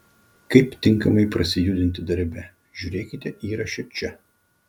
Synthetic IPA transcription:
kɐɪpt̪ʲɪŋˑkɐmɐɪpɾɐsʲɪjʊd̪ʲɪnʲt̪ʲɪd̪ɐɾʲbʲɛ | ʒʲuːɾʲeːkʲɪt̪ʲɛʔiːɾɐʃʲɛt͡ʃʲɛ

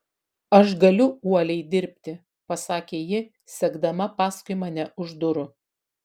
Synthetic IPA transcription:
ɐʃɡɐlʲʊuɔlʲɛɪd̪ʲɪɾʲpʲt̪ʲɪ | pɐsɑːkʲeːjɪ | sʲɛɡd̪ɐmɐpɑːskʊɪmɐnʲɛʔʊʒd̪ʊɾʊ

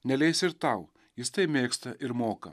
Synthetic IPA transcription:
nʲɛlʲɛɪsʲɪɾt̪ɐʊ | jɪst̪ɐɪpmʲeːkst̪ɐʔɪɾmoːkɐ̰

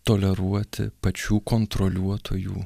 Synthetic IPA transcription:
t̪oːlʲɛɾuɔt̪ʲɪ̰pɐt͡ʃʲuːkont̪ɾolʲuɔt̪ʰoːjṵː

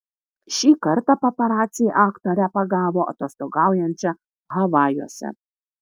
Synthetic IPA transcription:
ʃʲiːkɐɾt̪ɐpɐpʲɐɾaːt̪ʲsʲɪjʔaːkt̪oɾʲɛpɐɡɑːʋoːʔɐ̰t̪ost̪oɡɑwjɛnʲt͡ʃʲɛ | ɦɐʋɑːjuɔsʲɛ̰

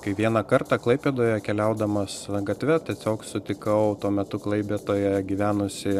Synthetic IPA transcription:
kɐɪʋʲiɛnɐkɐrt̪ɑklˠɐɪpʲeːd̪oːjɛkʲɛlʲɛʊd̪ɐmɐsɡɐt̪ʲʋʲɛt̪ʲiɛsʲoːksʊt̪ʲɪkɐʊt̪uɔmʲɛt̪ʊklˠɐɪpʲeːt̪oːjɛɡʲiʋʲæːnʊsʲɪ

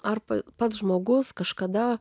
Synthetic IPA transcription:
ɐrpɐpɐt̪sʒmoːɡʊskɐʃkɐd̪ɐ

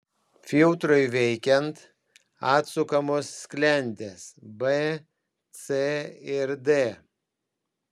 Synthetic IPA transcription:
fʲɪlˠt̪ɾʊɪʋʲɛɪkʲɛnt̪ | ɑːt̪sʊkɐmoːsːʲkʲlʲɛnʲd̪ʲeːsbe | t̪seɪɾd̪e

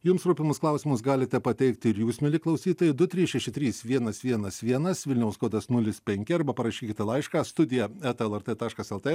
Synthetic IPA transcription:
jʊmsɾuːpʲɪmʊsklˠɐʊsʲɪmʊsɡɑːlʲɪt̪ʲɛpɐt̪ʲɛɪkt̪ʲɪɾjuːsmʲɪlʲɪklˠɐʊsʲiːt̪oːjɪd̪ʊt̪ʲɾʲiːsʃʲɛʃʲɪt̪ʲɾʲiːsʋʲiɛnɐsʋʲiɛnɐsʋʲiɛnɐsʋʲɪlʲnʲɛʊskoɔt̪ɐsnʊlʲɪspʲɛŋʲkʲɪɐɾbɐpɐɾɐʃʲiːkʲɪt̪ʲlˠɐɪʃkɑːst̪ʊd̪ʲɪjɛɛt̪ɛlˠɛɾt̪et̪ɑːʃkɐsɛlˠt̪e

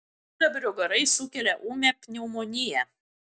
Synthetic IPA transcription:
d̪ɐbʲɾʲʊɡɐɾɐɪsʊkʲɛlʲɛʔuːmʲɛpʲnʲɛʊmoːnʲɪjɛ

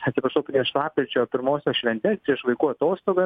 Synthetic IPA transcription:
ɐt̪sʲɪpɾɐʃɐʊpʲɾʲiɛʃlˠɑːpʲkɾʲɪt͡ʃʲoːpʲɪɾmoːsʲoːʃʲʋʲɛnʲt̪ʲɛːspʲɾʲiɛʃʋˠɐɪkuːɐt̪oːst̪oːɡɐ

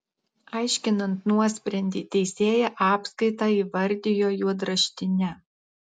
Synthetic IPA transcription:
ɑˑɪʃʲkʲɪnɐnt̪nuɔsʲpʲɾʲɛnʲd̪ʲiːt̪ʲɛɪsʲeːjɛʔɑːpskɐɪt̪ɑːiːʋɐɾʲd̪ʲɪjoːjuɔd̪ɾɐʃʲt̪ʲɪnʲɛ

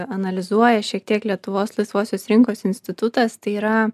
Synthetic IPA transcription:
ɐnɐlʲɪzuɔjɛʃʲiɛk̚t̪ʲiɛklʲiɛt̪ʊʋoːslˠɐɪsʋoːsʲoːsɾʲɪŋkoːsɪnʲsʲt̪ʲɪt̪ʊt̪ɐst̪ɐɪiːɾɐ

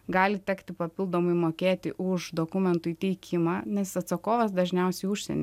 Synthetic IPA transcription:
ɡɑːlʲɪt̪ʲɛkt̪ʲɪpɐpʲɪlˠd̪oːmɐɪmoːkʲeːt̪ʲɪʔʊʃd̪oːkʊmʲɛnt̪ʊit̪ʲɛɪkʲʰɪmɑːnʲɛsɐt̪sɐkoːʋɐsd̪ɐʒʲnʲɛʊsʲɛɪʊʃʲsʲɛ̰nʲ

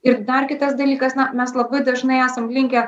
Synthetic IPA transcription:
ɪɾd̪ɐrkʲɪt̪ɐs̬d̪ɐlʲiːkɐsnɐmʲɛslˠɐbɐɪd̪ɐʒnɐɪæːsɐmlʲɪŋʲkʲɛ

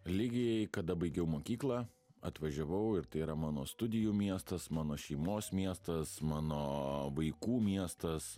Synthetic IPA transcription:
lʲɪɡʲɪjɛɪkɐd̪ɐbɐɪɡʲɛʊmoːkʲiːklˠɑː | ɐ̰t̪ʋɐʒʲɛʋɐʊɪɾt̪ɐɪiɾɐmɑːnoːst̪ʊd̪ʲɪjuːmʲiɛst̪ɐsmɑːnoːʃʲɛɪmoːsmʲiɛst̪ɐsmɑːnoːʋɐɪkuːmʲiɛst̪ɐs

